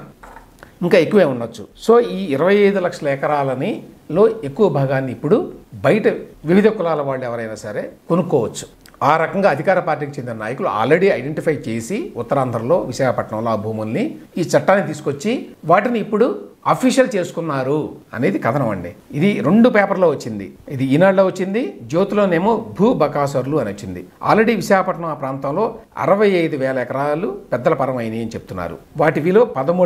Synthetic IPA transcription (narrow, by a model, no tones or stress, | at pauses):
iŋkaːe̞kːuʋeːunːɐt͡ʃːuso̞ːiːiɾɐʋɐjejːd̪ulɐkʂɐlɐɛkɐɾaːlɐni | lo̞ːekːuʋɐbʱaːɡaːnːiːpːuɽubɐjʈɐʋiʋid̪ʱɐkulaːlɐʋaːɭːuɛʋɐɾɐjnaːsɐɾe̞ːkonukːɔːʋɐt͡ʃːu̥ | aːɾɐkɐŋɡaːɐd̪ʱikaːɾɐpaːɾʈ̬ːiːkit͡ʃend̪inɐnaːjɐkulua̰ːlɾeɽiɐjɖeɳʈipʰɐjt͡ʃe̞ːsiut̪ːɐɾaːnd̪ʱɾɐmlo̞ːʋiʃaːkɐpɐʈɳɐmloːbʱuːmunːi | iːt͡ʃɐʈːaːnːit̪iːsu̥kot͡ʃːiʋaːʈiniːpːuɽuaːpʰiːʃjɐlt͡ʃe̞ːsu̥kunːaːɾuɐ̰ne̞ːd̪ikɐd̪ʰʱɐnɐmɐ̰ɳɖiid̪iɾeɳɖupeːpɐɾloːʋɐt͡ʃːind̪ḭid̪iinaːɽloːʋɐt͡ʃːind̪id͡ʒoːt̪ulo̞ːne̞ːmobʱuːbʱɐkaːsɐɾuluɐnot͡ʃːind̪ḭa̰ːlɾeɽiːʋiʃaːkɐpɐʈːɐɳɐmaːpɾaːnt̪ɐmlo̞ːɐ̰ɾɐʋɐjɐjd̪uʋɛːlɐɛkɐɾaːlupɛd̪ːɐlɐpɐɾɐmɐjniɐnit͡ʃebu̥t̪unːa̰ːɾṵʋaːʈiʋiːlo̞ːpɐd̪ɐmuː